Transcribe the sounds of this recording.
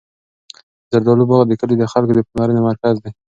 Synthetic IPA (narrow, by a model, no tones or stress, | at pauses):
zaɾd̪alubaɣad̪əkəlid̪əxalkod̪əpənɑɾənemaɾkazd̪e